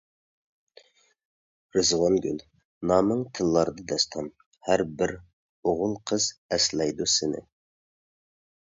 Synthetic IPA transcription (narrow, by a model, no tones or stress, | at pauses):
ɾɨzʁɑnɡʲyn | nɑːmɨŋt̪ʰɨlˠːɑɾɨd̪ɑd̪ɛst̪ʰɑm | hæɾbɪɾ | oʁʊlˠqʰəz̥ɛslɛjd̪usɪnɪ̰